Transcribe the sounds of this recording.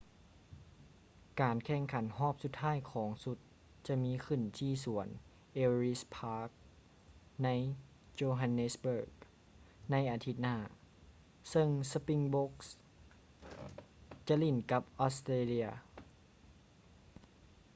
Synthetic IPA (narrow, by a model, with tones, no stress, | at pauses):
kaː˨nkʰɛː˧˩ŋkʰa˨˦nhɔː˥˩p̚su˧˦t̪ʰːaː˥˩˨jkʰɔː˩˦ŋsu˧˥t̪̚ | t͡ɕa˧˦miː˧˥kʰɯ˧˩˨nt̪ʰiː˧˩su˨˩˦ən | ʔeː˧ɾi˦˥spʰaː˧˥k̚ | na˧˥j | t͡ɕoː˧ɦa˧nːe˧˥sbɤː˧˩k̚ | na˧˥jʔaː˨˩t̪ʰi˧˥t̪̚naː˧˥˩ | sɤ˧˨ŋsa˧pi˧˨ŋbo˧˦˥k̚s | t͡ɕa˧ʔli˧˩nka˧˦p̚ʔɔ˧˦˥st̪eː˧li˧ɐ